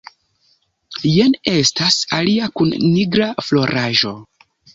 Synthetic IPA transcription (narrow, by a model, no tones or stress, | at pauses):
jene̞stasaliakunːiɡɾaflo̞ɾʔaʒo̞